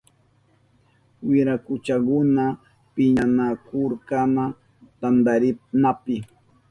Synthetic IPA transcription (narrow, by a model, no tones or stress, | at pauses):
wɪɾakʊt͡ʃakʊna | pɪɲanakʊɾkama | t̪and̪aɾɪnapɪ